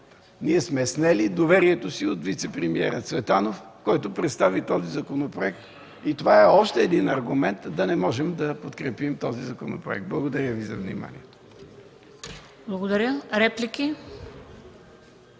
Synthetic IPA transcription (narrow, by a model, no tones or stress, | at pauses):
niɛsmɛsnɛlid̪ovɛɾiɛt̪osiot̪vit̪sɛpɾɛmiɛ̰ɾət̪svɛt̪anof | kɔjt̪ʊpɾɛt̪st̪avit̪ɔzizɐkonopɾoɛk̚t̪ | it̪ovaɛɔʃt̪ɛːd̪inɐɾɡʊmɛnt̪d̪ɐnɛmɔʒɛmd̪ɐpot̪kɾɛpimt̪ɔzizɐkono̰pɾo̰ɛ̰k̚t̪̚blˠɐɡod̪ɐɾʲjəvizɐ̰vnḭma̰nḭɛt̪o̥ | blˠɐɡod̪ɐɾʲəɾɛpliki